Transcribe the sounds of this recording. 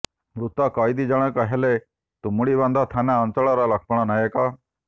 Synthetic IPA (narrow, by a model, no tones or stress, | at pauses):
mɾut̪akajd̪id͡ʒaɽ̃əkəɦele | t̪umuɭibãnd̪ʱat̪ʰanaənt͡səɭaɾalak̚ʰpəɽ̃anajeka